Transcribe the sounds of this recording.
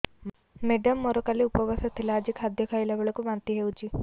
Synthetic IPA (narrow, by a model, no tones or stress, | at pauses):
meɖɐmːɔɾɔkɐlːiupɐʋɐsɐt̪ilaːd͡ʒikʰɐd̪ʱjɐkʰɐjlɐʋuɭɐkuʋɐnt̪iɦewut͡ʃi